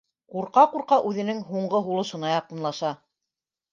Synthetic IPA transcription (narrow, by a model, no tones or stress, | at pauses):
quɾqɑquɾqɑʔʉðɘ̆nɘŋɦuɴɢɤɦulˠɤ̆ʃɤ̆nɑjɑqɤ̆nlˠɑʃɑ